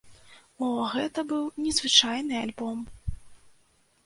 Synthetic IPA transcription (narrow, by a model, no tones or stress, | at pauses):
ɔɣɛt̪ɐbɨwnʲɛzvɨt͡ʂajnɨalʲbɔm